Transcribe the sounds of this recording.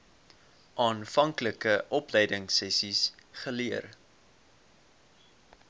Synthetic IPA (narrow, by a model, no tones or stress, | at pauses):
ʔɑːnfɐŋkləkəʔɔplɛjdəŋsɛsisχəliər